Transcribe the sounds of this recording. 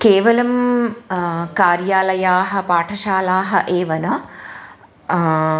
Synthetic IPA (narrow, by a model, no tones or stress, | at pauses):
keːʋɐlɐm | kaːɾjaːlɐjaːɦɐpaːʈʰɐʃaːlaːɦɐʔeːʋɐnɐ